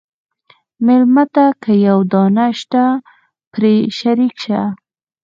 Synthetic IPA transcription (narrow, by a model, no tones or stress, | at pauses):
mɪlmat̪akʰajawd̪ɑnaʃt̪a | pɾeʃaɾikʃa